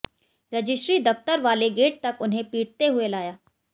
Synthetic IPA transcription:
ɾɐd͡ʒɪsʈɾid̪ɐft̪əɾʋaːleɡeːʈ̚t̪ɐkʊnɦẽpiːʈt̪eɦʊelaːjaː

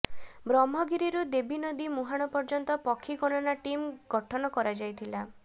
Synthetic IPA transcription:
bɾɔmɦɔɡiɾiɾud̪ebinɔd̪imuɦaɽ̃ɔpɔɾd͡ʒɔnt̪ɔpɔkʰːikɔɽ̃ɔnaʈimɡ̥ɔʈʰɔnɔkɔɾad͡ʒajt̪ʰila

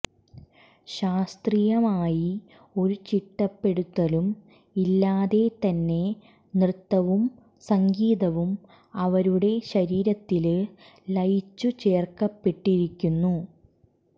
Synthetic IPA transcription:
ɕaːst̪rijɐmaːji | o̞ɾut͡ɕiʈːɐpːe̞ɽut̪ːɐlum | ilːaːðe̞t̪ɐnːe̞ | nrɨt̪ːɐʋum | sɐŋɡiːðɐʋum | ɐʋɐɾuɽe̞ɕɐɾiːɾɐt̪ːil | lɐjt͡ɕːut͡ɕe̞ːrkɐpːe̞ʈːiɾikʲːunːu

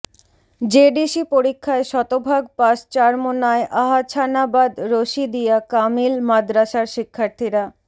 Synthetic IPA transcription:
d͡ʑeɖiʃipoɾikʰːaeʃɔt̪obʱaɡ̚paʃt͡ɕaɾmonaeʔaɦat͡ɕʰanabad̪ɾoʃid̪ijakamilmad̪ɾaʃaɾʃikʰːaɾt̪ʰiɾa

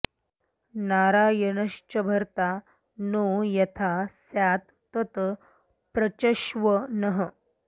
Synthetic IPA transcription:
naɾajənəʂt͡ɕəbʱəɾt̪a | nojɐt̪ʰasjat̪ːət̪ | pɾət͡ɕəʃʋənəɦə

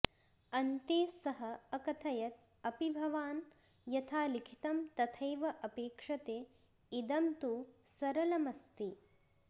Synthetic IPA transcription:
ɐnt̪eːsɐɦɐɐkɐt̪ʰɐjɐt̪̚ | ɐpibʱɐʋaːn | jɐt̪ʰaːlikʰi̥t̪ɐmt̪ɐt̪ʰɐjʋɐʔɐpeːkʂɐt̪eː | id̪ɐmt̪usɐɾɐlɐmɐst̪i

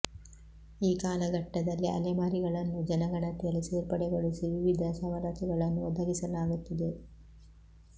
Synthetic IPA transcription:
iːkaːlɐɡɐʈːɐd̪ɐlːiɐ̰lɛmaːɾiɡɐɭɐnːud͡ʒɐnɐɡɐɽɐt̪eliseːɾpɐɽɛɡo̞ɭisiʋiʋid̪ʱɐsɐʋɐlaːt͡ʃɐɡɐɭɐnːuɔd̪ɐɡisɐlaːɡut̪ːɐd̪e

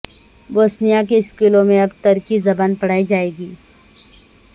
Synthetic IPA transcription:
boːsnijak̬eɪskɪlõmẽɐbt̪ɐɾkizɐbanpɐɽ̤aːid͡ʒaːeːɡiː

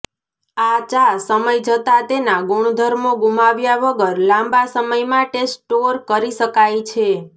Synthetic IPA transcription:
at͡ʃasəməjd͡ʒət̪at̪enaɡuɳd̪ʱəɾmoɡumaʋjaʋəɡəɾlãmbasəməjmãʈesʈːoɾkəɾiʃəkajt͡ʃʰe

